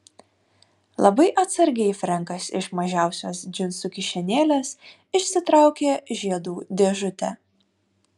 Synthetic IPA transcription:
lˠɐbɐɪʔɐt̪sɐɾʲɡʲɛɪfʲɾʲɛŋˑkɐsɪ̰ʃmɐʒʲæˑʊsʲoːsd͡ʒʲɪnsʊkʲɪʃʲɛnʲeːlʲeːs | ɪʃʲsʲɪt̪ɾɑˑʊkʲeːʒʲiɛd̪uːd̪ʲeɛʒʊt̪ʲɛ̰

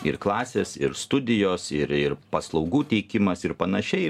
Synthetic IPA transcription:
ɪ̰ɾklˠɑːsʲeːsɪ̰ɾst̪ʊd̪ʲɪjoːsɪɾɪɾpɐslˠɒʊɡuːt̪ʲɛɪkʲɪmɐsɪɾpɐnɐʃʲɛɪ

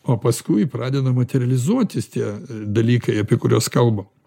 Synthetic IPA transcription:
oːpɐskʊɪpɾɑːd̪ʲɛd̪ɐmɐt̪ʲɛɾʲɛlʲɪzuɔt̪ʲɪst̪ʲiɛd̪ɐlʲiːkɐɪɑːpʲiɛkʊɾʲoːskɐlˠbɐ

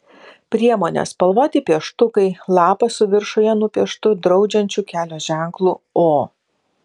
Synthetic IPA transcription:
pʲɾʲiɛmoːnʲɛ̰spɐlˠʋoːt̪ʲɪpʲiɛʃt̪ʊkɐɪlˠɑːpɐsʊʋʲɪɾʃojɛnʊpʲiɛʃt̪ʊd̪ɾɒʊd͡ʒʲɛnʲt͡ʃʲuːkʲæːlʲoːʒʲæˑŋklˠuːoː

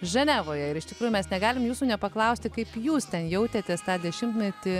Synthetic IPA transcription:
ʒɛnʲæːʋoːjɛɪɾɪʃt̪ʲɪkɾuːjʊumʲɛsnʲɛɡɑːlʲɪmjuːsuːnʲɛpɐklˠɐʊsʲt̪ʲɪkɐɪpjuːst̪ʲɛnjɛʊt̪ʲeːt̪ʲeːst̪ɑːd̪ʲɛʃʲɪmt̪mʲɛt̪ʲɪ

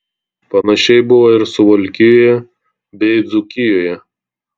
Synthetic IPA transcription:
pɐnɐʃʲɛɪbʊʋɐɪɾsʊʋɔlʲkʲɪjoːjɛ | bʲɛɪd̪zʊkʲɪjoːjɛ

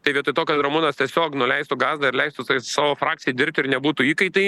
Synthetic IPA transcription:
t̪ɐɪʋʲiɛt̪ʊɪt̪oːkɐt̪ɾɐmuːnɐst̪ʲiɛsʲoːknʊlʲɛɪst̪ʊɡɑːzd̪ɐɪɾlʲɛɪst̪ʊsɑːʋoːfɾɑːk̚t͡ssʲɪjɛdʲɪɾʲp̚ʲt̪ʲɪɾnʲɛbuːt̪uːiːkɐɪt̪ɐɪ

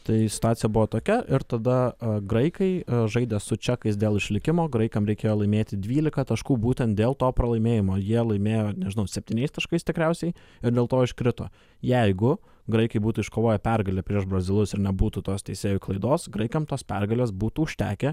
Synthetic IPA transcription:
t̪ɐɪsʲɪ̥t̪ʊaːsʲɪjɛbʊʋoːt̪oːkʲɛʔɪɾt̪ɐd̪ɐɡɾɐɪkɐɪʒɐɪd̪ʲeːsʊt͡ʃʲɛkɐɪsd̪ʲeːlˠɪʃʲlʲɪkʲɪmoːɡɾɐɪkɐmɾʲɛɪkʲeːjoːlˠɐɪmʲeːt̪ʲɪd̪ʲʋʲiːlʲɪkɐt̪ɐʃkuːbuːt̪ʲɛnt̪̚d̪ʲeːlˠt̪oːpɾɐlˠɐɪmʲeːjɪmoːjiɛlˠɐɪmʲeːjoːnʲɛʒʲɪnɐʊsʲɛp̚ʲt̪ʲiːnʲɛɪst̪ɐʃkɐɪst̪ʲɪkɾʲæʊsʲɛɪɪɾd̪ʲeːlˠt̪oːɪʃʲkɾʲɪt̪o̰ː | jɛɪɡʊ | ɡɾɐɪkɐɪbuːt̪uːɪʃkoːʋoːjɛpʲɛrɡɐlʲeːpʲɾʲiɛʃbrɐzʲɪlˠʊsɪɾnʲɛbuːt̪uːt̪oːst̪ʲɛɪsʲeːjʊklˠɐɪd̪oːsɡɾɐɪkɐmt̪oːspʲɛrɡɐlʲeːsbuːt̪uːʊʃʲt̪ʲæ̰ːkʲe

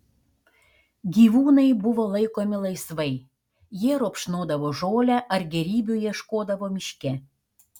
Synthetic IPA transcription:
ɡʲiʋuːnɐɪbuʋolˠɐɪkomʲɪlˠɐɪsʋɐj | jeɾopʃnoːd̪ɐʋoʒoːlʲæʔɐrɡʲɛɾʲiːbʲujiɛʃkoːd̪ɐʋomʲiʃʲkʲæ

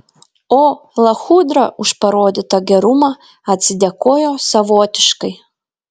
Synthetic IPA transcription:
oːlˠɐxud̪ɾɐʊʃpɐɾoːd̪ʲɪt̪ɐɡʲɛɾumɐ | ɐt̪ʲsʲɪd̪ʲɛkoːjoːsɐʋoːt̪ʲɪ̥ʃkɐɪ

